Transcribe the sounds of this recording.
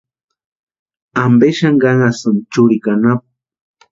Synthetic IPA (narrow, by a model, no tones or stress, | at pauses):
ambeʃaŋɡaŋasant͡ʃʊɾikanap̚